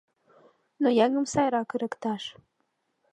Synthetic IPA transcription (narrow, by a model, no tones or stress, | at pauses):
nojæŋə̆msɑjɾɑkə̆ɾɘ̆kt̪ɑʃ